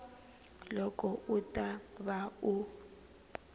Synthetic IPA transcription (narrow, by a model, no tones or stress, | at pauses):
lɔkɔʔutʼaβau